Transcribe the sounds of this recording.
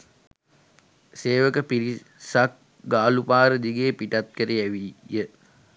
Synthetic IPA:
seːʋəkəpiɾi | sak̚ | ɡaːlupaːɾəd̪iɡeːpiʈat̪̚kəɾeæʋijə

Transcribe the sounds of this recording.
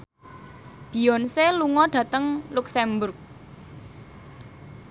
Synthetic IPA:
b̥i̤ɔnseluŋɔɖ̥ä̤t̪əŋluksɛmbʊrk̚

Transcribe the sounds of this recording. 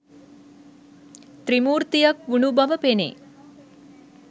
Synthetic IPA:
t̪ɾimuːɾt̪ijɐkʋuɳubɐʋəpenḛ

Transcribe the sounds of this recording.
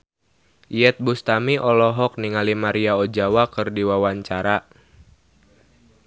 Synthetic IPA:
jɛt̪̚bust̪amiʔɔlɔɦɔk̚niŋalimaɾiaod͡ʒawakɨrdiwawaɲt͡ʃaɾa

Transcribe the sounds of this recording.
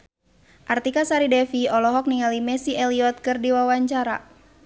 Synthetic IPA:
ʔart̪ikasaɾidɛfiɔlɔɦɔk̚niŋalimɛsiɛliɔt̪̚kɨrdiwawaɲt͡ʃaɾa̰

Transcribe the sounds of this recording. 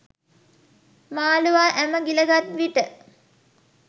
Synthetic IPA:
maːluʋaːʔæməɡiləɡat̪ʋiʈə

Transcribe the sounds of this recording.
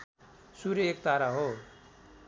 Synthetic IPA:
suɾek̚t̪aɾaɦo

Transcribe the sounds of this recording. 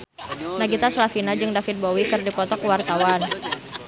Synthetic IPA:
naɡit̪aslafinad͡ʒɨŋdafit̪̚bowikɨrdipɔt̪ɔkuwart̪awan

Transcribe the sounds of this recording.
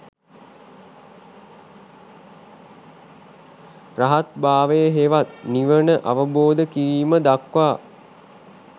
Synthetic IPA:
raɦat̪baːʋəjəɦeʋat̪̚niʋənəʔaʋəboːd̪əkiɾiːməd̪akʋaː

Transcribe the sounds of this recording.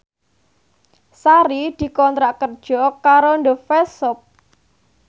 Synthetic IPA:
saɾid̪̥i̤kɔnt̪ɾaʔkərd̥ʒ̥ɔkaɾondofesʊp̚

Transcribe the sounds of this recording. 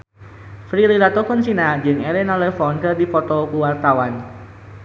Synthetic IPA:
fɾiliɾat̪ɔkɔnsinad͡ʒɨŋɛlɛnalɛfɔnkɨrdipɔt̪ɔkuwart̪awan

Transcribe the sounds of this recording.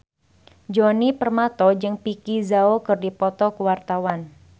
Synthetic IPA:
d͡ʒɔnipərmat̪ɔd͡ʒɨŋpikizaokɨrdipɔt̪ɔkəwart̪awan

